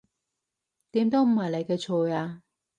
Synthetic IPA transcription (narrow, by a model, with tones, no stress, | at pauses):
t̪iː˨˥mt̪o˥wm̩˨˩hɐ˨jle˨jkɛ˧t͡ʃʰoː˨˧jaː˧